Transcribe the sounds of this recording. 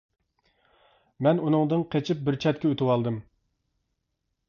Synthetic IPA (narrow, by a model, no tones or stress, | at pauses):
mɛnunɨŋd̪ɨŋqʰet͡ʃʰɪp̚bɪɾt͡ʃʰɛt̪̚kʲɛøt̪ɨwɑlˠd̪ɨm